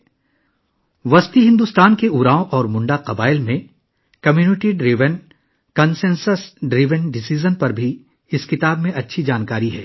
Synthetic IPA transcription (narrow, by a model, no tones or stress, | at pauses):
ʋɐst̪iɦɪ̃nd̪ust̪aːnkeuːɾaːõʔɔːɾmʊ̃ɳɖaqɐbaːɪlmẽ | kɐmjuːnɪʈiɖɾiːʋən | kɐnsẽːnsəsɖɾiːʋənɖɪsiːzənpɐɾbʱi | ɪskɪt̪aːbmẽʔɐtːʃʰid͡ʒaːnkaːɾiɦɛ̰ː